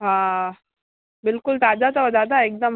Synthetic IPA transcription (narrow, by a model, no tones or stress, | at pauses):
ɦã | bɪlkʊlt̪ad͡ʑat͡saʋəd̪ad̪aek̚d̪əm